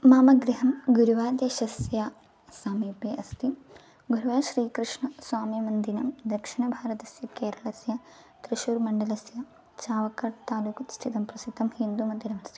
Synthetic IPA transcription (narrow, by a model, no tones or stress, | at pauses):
maːmɐɡɾiɦɐmɡuɾuʋaːd̪jɐʃɐsjaː | saːmiːpeːɐst̪i | ɡuɾuʋaːʃɾiːkɾɨʂɳɐswaːmimɐnd̪inɐmd̪ɐkʂiɳɐbʱaːɾɐt̪ɐsjɐkeːɾɐɭɐsjɐ | t̪ɾiʃuːɾmɐɳɖɐlɐsjɐ | t͡ʃaːʋɐkːɐːʈt̪aːluːkust̪ʰit̪ɐmpɾɐsit̪ːɐmhind̪umɐnd̪inɐmɐst̪i̥